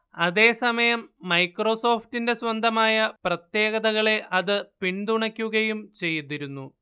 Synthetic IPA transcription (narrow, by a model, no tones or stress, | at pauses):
ɐðe̞ːsɐmɐjɐmːɐjkro̞so̞ːftinde̞swɐnd̪ʱɐmaːjɐprɐt̪je̞ːɣɐðɐɣɐɭe̞ʔɐðɨpiɳd̪uɳɐkʲːuɣɐjumt͡ɕe̞jːuðiɾunːu